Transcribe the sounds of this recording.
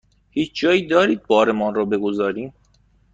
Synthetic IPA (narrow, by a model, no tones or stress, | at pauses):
hiːt͡ʃʰd͡ʒɒːjiːd̪ɒːɾiːd̪̚bɒːɾemɒnrɒːbe̞ɡozɒːɾiːm